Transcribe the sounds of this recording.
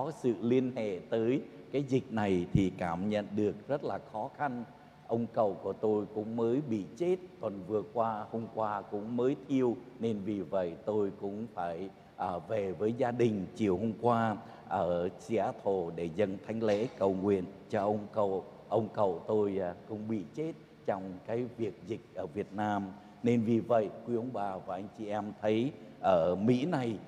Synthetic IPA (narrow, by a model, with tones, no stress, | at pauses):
ɔ˨˦sɨ̰˧˨li˧ənhḛ˧˨t̪əː˨˦j | kaː˨˦jzï˨˩k̟̚na˨˩jt̪ʰi˨˩kaː˧˩mɲə̰˧˨nɗɨ˨˩ək̚zə˦˥t̚laː˨˩xɔ˨˦xa˧n | ʔə˧wŋ͡mkə˧˩wku˧˩ət̪o˧jkʊ̰˧˥ŋ͡mməː˨˦jɓḭ˧˨t͡ɕe˦˥t̚t̪wə˨˩nvɨ˨˩əkwaː˧hə˧mkwaː˧kʊ̰˧˥ŋ͡mməː˨˦jt̪ʰi˧əwne˧nvi˨˩və̰˧˨jt̪o˧jkʊ̰˧˥ŋ͡mfaː˧˩j | ʔəː˨˩ve˨˩vəː˨˦jzaː˧ɗï˨˩ŋ̟t͡ɕi˨˩əwho˧mkwaː˧ | ʔəː˧˩si˧ʔa˧t̪ʰo˨˩ɗe˧˩zə̰˧˨nt̪ʰa˨˦jŋ̟lḛ˧˥kə˨˩wŋwḭ˧˨ənt͡ɕɔ˧ʔə˧wŋ͡mkə˧˨w | ʔə˧wŋ͡mkə̰˧˨wt̪o˧jkʊ̰˧˥ŋ͡mɓḭ˧˨t͡ɕe˦˥t̚ | t͡ɕɔ˧wŋ͡mkaː˨˦jvi˨˩ək̚zï˨˩k̟̚ʔəː˧˩vi˨˩ət̚naː˧m | ne˧nvi˨˩və̰˧˨jkwi˧ʔə˧wŋ͡mɓaː˨˩vaː˨˩ʔa˧jŋ̟t͡ɕi˨˩ʔɛ˧mt̪ʰə˨˦jʔəː˧˩mḭ˧˥na˨˩j